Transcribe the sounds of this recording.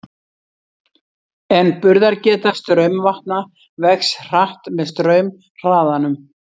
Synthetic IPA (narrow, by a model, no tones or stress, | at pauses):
ɛnpʏɾðaɾcɛːt̪ast̪ɾœɥmvaht̪̚na | vɛxsr̥aht̪mɛðst̪ɾœːɥm | r̥aːðanʏm